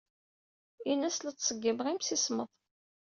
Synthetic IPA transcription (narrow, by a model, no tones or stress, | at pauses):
inæslæt͡sːsˤəɡːəmʁimsisməðˤ